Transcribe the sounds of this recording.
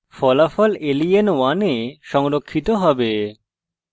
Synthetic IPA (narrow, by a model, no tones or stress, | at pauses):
fɔlafɔlelijenwaneʃɔŋɾokʰːit̪oɦɔbe